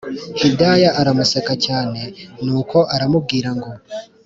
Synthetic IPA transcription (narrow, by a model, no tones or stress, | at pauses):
hudajaʔaɾamusekacaːne̞nuːko̞ʔaɾamub̚ɡiːɾaŋɡo̞